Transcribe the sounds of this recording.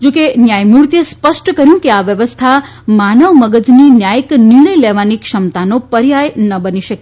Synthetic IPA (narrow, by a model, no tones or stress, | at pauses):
d͡ʒũkenjajmuɾt̪iespəʃʈkəɾjũkeaʋjəʋəst̪ʰa | manəʋməɡəd͡ʒninjajkniɳ̃əjleʋanikʃəmt̪anopəɾjajnəbəniʃəke